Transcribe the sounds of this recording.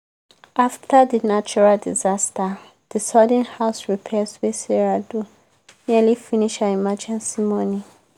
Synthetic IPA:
aftadinat͡ʃuɹaldizasta | d̥isɔdɛ̃nhaʊsɹipʰɛswesɛɹadu | nialifiniʃãimad͡ʒɛ̃nsimɔ̃ni

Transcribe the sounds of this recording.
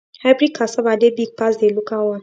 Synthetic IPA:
haɪbɾikʰːasɔbadebiɡ̚pasdelukawa

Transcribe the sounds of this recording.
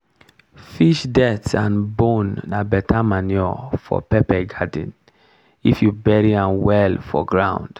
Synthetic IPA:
fiʃdɛtãnbõnːabɛtamanjɔfɔ̰pɛpɛɡadḭ̃n | ḭfjubɛɹiãmwɛlfɔ̰ɡɹãw̃nd̥

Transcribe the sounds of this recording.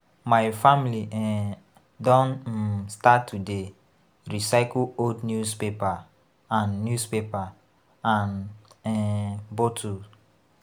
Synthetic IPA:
maɪfamiliʔɛ | dɔ̃n̩statʰːude | ɹisaɪkluodnjuspepa | ãnːjuspepa | ãnɛbotʰu

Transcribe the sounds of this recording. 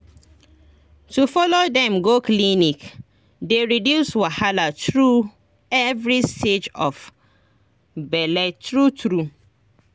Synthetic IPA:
tufɔlodɛ̃mɡoklinik | deɹidjuswahalatɹu | ɛvɹisted͡ʒɔf | bɛlɛtɹutɾu

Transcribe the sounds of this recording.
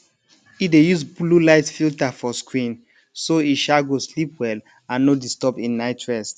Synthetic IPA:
idejusblulaɪtfiltafɔskɹĩn | soiʃaɡoslipwɛl | ãnːodistɔpĩnːaɪtʰɹɛs

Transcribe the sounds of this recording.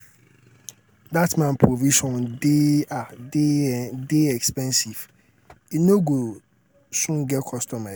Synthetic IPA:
datmãnpʰɾoviʃɔ̃ndɪa | deɛkspɛ̃nsiv | inoɡo | sũɡɛkʰɔstʰɔma

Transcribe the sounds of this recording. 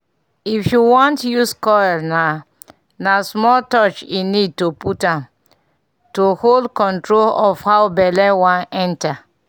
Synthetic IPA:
ifjuwɔ̃ntjuskɔna | nasmɔltɔt͡ʃinid̚toputãm | toholdkɔ̃ntɹolɔfhawbɛlɛwãnɛ̃nta

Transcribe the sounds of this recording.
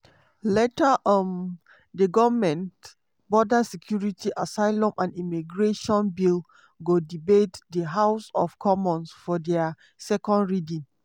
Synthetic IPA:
letaʔɔ̃n | dəɡɔvmɛ̃nt | bɔdasɛkʰjuɹitʰiʔasaɪlɔ̃mʔãnimiɡɹeʃɔ̃nbil | ɡodibetdəɦaʊsɔfkʰɔmɔ̃nsfɔdɛa | sɛkɔ̃ndɹidĩn

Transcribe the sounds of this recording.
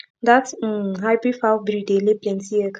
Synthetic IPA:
d̪at̩ɦaɪbɾifabɾideleplɛ̃ntiɛkʰ

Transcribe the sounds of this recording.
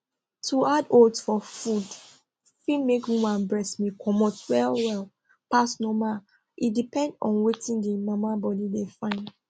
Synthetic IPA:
tʰuadoldsfɔfud | fidmekwĩmãnbɹɛsmikʰɔmɔtwɛlwɛl | pasnɔma | ʔidipɛ̃ndɔ̃nwetĩndimamabɔdidefãɪ̃n

